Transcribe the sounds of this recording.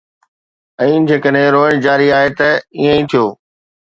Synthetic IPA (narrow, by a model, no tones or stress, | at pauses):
ɛ̃ːd͡ʑeːkəɗɦẽɾoːəɽ̃d͡ʑaːɾiaːɦet̪ɐiːə̃ĩt̪ʰijoː